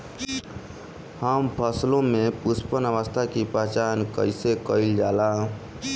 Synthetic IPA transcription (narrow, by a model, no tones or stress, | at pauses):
həmpʰəslõmẽpʊspənəʋəst̪ʰakipɾət͡ʃaːnkə̰ɪsekəɪld͡ʒaːlaː